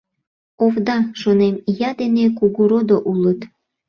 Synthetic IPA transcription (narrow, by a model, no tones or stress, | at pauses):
ovd̪ɑʃonemjɑd̪enekuɣuɾod̪oʔulət̪